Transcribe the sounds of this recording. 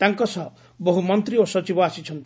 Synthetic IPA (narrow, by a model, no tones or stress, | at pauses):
t̪aŋkɔsɔ | boɦumɔnt̪ɾiosɔt͡ʃibɔasit͡ʃʰɔnt̪